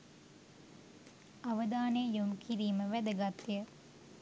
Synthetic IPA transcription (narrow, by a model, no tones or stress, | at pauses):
aʋəd̪aːnejumkʰiɾiːməʋæd̪əɡat̪ːijə